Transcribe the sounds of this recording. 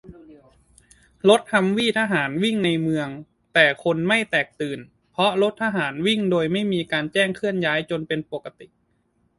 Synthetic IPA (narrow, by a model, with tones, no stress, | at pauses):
lo˦˥t̪̚tʰa˧mwiː˥˩t̪ʰaː˧ɦaː˩˦nwi˥˩ŋna˧jmɯ˧əŋ | t̪ɛː˨˩kʰo˧nma˥˩jt̪ɛː˨˩k̚t̪ɯː˨˩n | pʰɔ˦˥lo˦˥t̪̚ʰːa˧ɦaː˩˦nwi˥˩ŋdoː˧jma˥˩jmiː˧kaː˧nt͡ɕɛː˥˩ŋkʰɯ˥˩ənjaː˦˥jt͡ɕo˧npe˧npo˨˩kːa˧t̪i˨˩ʔ